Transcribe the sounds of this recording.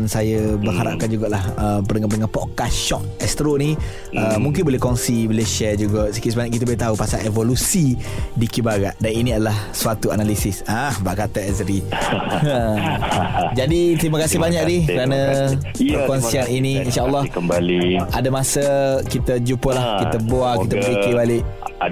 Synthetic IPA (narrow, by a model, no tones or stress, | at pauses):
nsajəbəhaɾa̰p̚kand͡ʒuɡaʔlahəmpənəŋapənəŋanpɔt̪̚kasʃɔk̚ | ɛst̪əɾoni | əmũŋkɪnbolɛhkɔŋsibileʃɛd͡ʒuɡaʔsikit̪sbaɲaʔkit̪abolɛt̪aupasalevolusidikibaɡaʔdaninĩadalahsuat̪uanalisɪsahbaʔkat̪aɛzɾi | ə | d͡ʒadit̪ɾimakasɪbaɲakdikəɾanə̃ | bəkɔnsianiniinʃaəlːɔhliadamasəkit̪əd͡ʒupəlahkit̪əboakit̪əbkikibaliʔ